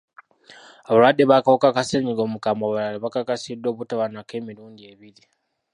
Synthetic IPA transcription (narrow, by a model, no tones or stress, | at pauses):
aβaɾadiβakaokakaseɲiɡomukamaβalaliβakakasidoβutaβanakemiɾuːndieβiɾi